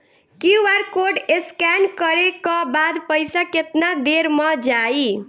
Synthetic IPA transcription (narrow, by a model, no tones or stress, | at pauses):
kiʋaɾkoɖeskankəɾekɔbad̪pəjsaket̪nad̪eɾmʌd͡ʒai